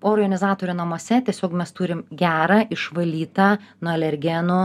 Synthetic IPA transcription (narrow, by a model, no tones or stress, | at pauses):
oːrɡɐnʲɪzɑːt̪oːɾʲunɐmoɔsʲɛt̪ʲiɛsʲoːkmʲɛst̪uːɾʲɪmɡʲæːɾɑɪʃʋɐlʲiːt̪ɑːnuɐlʲɛɾʲɡʲɛno